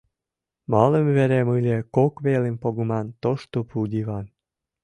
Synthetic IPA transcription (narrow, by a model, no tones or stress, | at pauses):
mɑləmβeɾemɨlʲekokβelempoɡumɑnt̪oʃt̪opud̪ʲiβɑn